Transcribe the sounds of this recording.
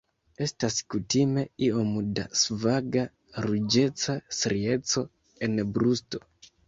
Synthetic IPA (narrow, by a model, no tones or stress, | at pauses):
e̞staskutime̞io̞muda̰svaɡa | ɾud͡ʒe̞t͡sasɾie̞t͡so̞ | e̞nbɾusto̞̥